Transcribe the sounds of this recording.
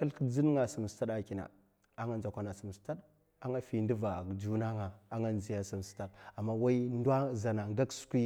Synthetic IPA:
ka˦lkə˦d͡zi˦n˦ŋa˨si˨m˨sta˦da˨ki˨na̰˨ | a˨ŋa˦nd͡ʒa˨kʷa˨na˨si˨m˨sta˦ɗ | a˦ŋa˦fi˨ndi˦va˨d͡ʒu˦na˦ŋa˨ŋa˦nzi˨ja˦si˨m˨sta˦ɗa˨mːa˦wa˦i˦n˦da˦za˨na˨ŋɡa˦ksu̥˦kʷi˦

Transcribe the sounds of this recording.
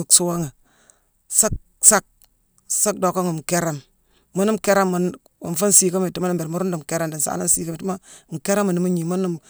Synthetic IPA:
u˨ksu˦wa˦ŋi˨ | sa˦k̚ | sa˦k̚ | sa˦k̚do˨kːa˦ŋə˨m˨ke˦ɾe˦mː | u˦ni˦mke˦ɾa˦mːu˨n | ṵ˨n˨fu˦n˦si˦ka˦me˨ti˦ma˦ni˦mbe˨ɾmu˦ɾu˦ndu˨m˨ke˦ɾe˦mdi˨n˨sa̰ː˨˦na˦n˦si˦ka˦mi˨i˦ma˦˨ŋ̩˨ke˦ɾe˦mu˨ni˦mu˦ɲi˨mu˦nːu˦m

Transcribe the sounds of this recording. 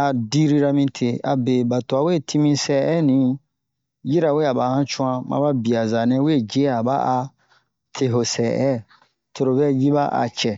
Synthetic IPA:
a˨di˦ɾi˦ɾa˧mĩ˧tʰe˨a̰˨be˨ba˨to˨a˨we˦˨tʰi˦mĩ˦sɛ˨ɛ˦nĩ˨˦ | ji˦ɾa˨we˦˨a˨ba˨hã˦t͡ʃũ˦ã˧mã̰˧˦ba˦bi˨a˨za˨nɛ̃˦we˦˨d͡ʒe˦a˨ba̰˦a˧ | tʰe˨ɦo˨sɛː˨ʔɛ˦ | to˨ɾo˨bɛ˦˨ji˦ba˦ʔa̰˨t͡ʃɛ˨

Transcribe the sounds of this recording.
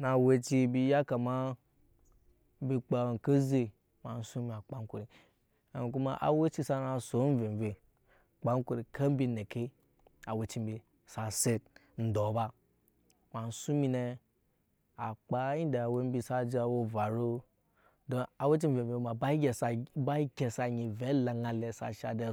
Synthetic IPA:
na˨we˧t͡ʃi˦bi˨ja˦ka˨ma˦ | m̩˦bi˨k͡pa˨ŋ˨ka˦ze˦ | ma˨n̩˨su˦mi˨a˨k͡pa˦ŋ˦ko˨ɾi˨ | a˨ku˦ma˦ʔa̰˨we˦t͡ʃi˦sa˦na˨so˨˦m˦ve˨m˨ve˨ | k͡pa˦ŋ˦ko˦˨ɾi˨kʰa˦m̩˦bi˦ne˨ke˦ | a˨we˨t͡ʃi˦m̩˦bi˨ | sa˨se˦t̚ | n̩˨do˨˦ba˦ | ma˨n̩˨su˦mi˦ne˧ | a˨k͡pa˦ji˦da˨a˨we˦m̩˦bi˦sa˦d͡ʒi˦a˨wo˦va˨ɾo˦ | do˦a˨˦we˦t͡ʃi˦m̩˦ve˨e˨˦ma˨a˦ɡʲsba˦i˦kʲe˨sa˨ɲi˨ve˨˦la˨ŋa˨le˨sa̰˨ʃa˨de˦

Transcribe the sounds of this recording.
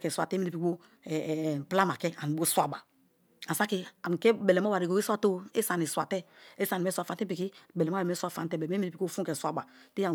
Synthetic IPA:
kɛ˨sʷa˨tɛ˦mi˦ɾi˨pi˨˦o˦˨ | pla˦ma˨kɛ˦a˨ni˨bo˦swa˦˨ba˨ | a˨sa˦ki˦a˨m˨kɛ˦be˨le˨mo˦wa˨ɾi˨ko˨˦i˦swa˦to˦e˦sa˨ni˨swa˨tɛ˦e˦sa˨ni˨ɛ˦swa˨fa˨˦te˦pi˨ki˦be˨le˨m˦˨mɛ˦sʷa˦fa̰˨ntɛ˦˨be˨˦e˦mi˦ɾi˨pi˨ko˦˨fu˦kɛ˨swa˦ba˨ | ti˦a˨

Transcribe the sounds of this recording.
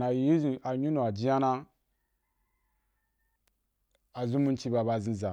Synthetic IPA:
na˨˦i˦zi˨a˨ɲu˦nu˨a˨d͡ʒi˦ja˦na˦ | a˨zu˦mu˦nt͡ʃi˦ba˨ba˨zĩ˦za˨

